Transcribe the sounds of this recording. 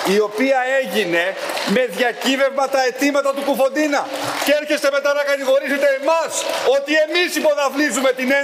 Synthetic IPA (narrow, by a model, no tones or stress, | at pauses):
io̞piɐe̞ʝine̞me̞ðʝɐcive̞vmɐt̪ɐe̞t̪imɐt̪ɐt̪ukufo̞nd̪inɐceɾçe̞st̪eme̞t̪ɐnɐkɐt̪iɣo̞ɾiset̪eːmɐso̞t̪ie̞misipo̞ðɐvlizume̞t̪ine